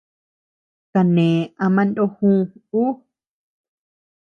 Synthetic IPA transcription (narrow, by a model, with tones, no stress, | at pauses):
ka˨nẽ˨a˧mã˧ndo˦hũː˦u˦